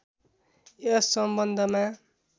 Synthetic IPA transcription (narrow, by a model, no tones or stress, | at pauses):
esːʌmbʌnd̪ʱʌma